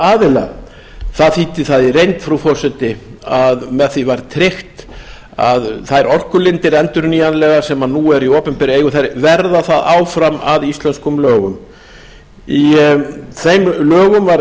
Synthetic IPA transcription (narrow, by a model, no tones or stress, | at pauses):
aːðɪla̰ | θaðθiːt̪ɪθaðirejnt̪fɾawfɔsɛt̪ɪaðmɛðθivaɾt̪ʰɾɪxt̪ | aðθajɾɔr̥kʏlɪnt̪ɪɾɛnt̪ʏɾniːanlɛɣḁsɛmanuɛɾioːpɛmpɛɾeːjɣʏθajɾvɛɾðaθaðaːwfɾama̰ðist̪lɛnskʏmlœːɣʏm | i | θejmlœːɣʏmvaɾ